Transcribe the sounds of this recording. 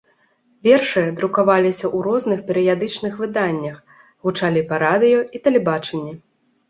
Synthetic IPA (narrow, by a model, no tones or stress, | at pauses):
vʲɛrʂɨjɐd̪ɾukavalʲisʲɐʔuɾɔznɨxpʲɛɾɨjad̪ɨt͡ʂnɨxvɨd̪anʲːɐx | ɣut͡ʂalʲipɐɾad̪ɨjɔit̪ɐlʲɛbat͡ʂɐnʲːɛ